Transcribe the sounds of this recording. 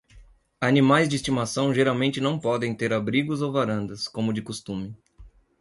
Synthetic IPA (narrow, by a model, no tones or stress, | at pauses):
animajzd͡ʒɪist͡ʃimasɐ̃w̃ʒeɾawmẽnt͡ʃɪnɐ̃w̃pɔd̪ẽj̃t̪eɾabɾiɡʊzowvaɾɐ̃nd̪ɐskõmʊd͡ʒɪkost̪ũmɪ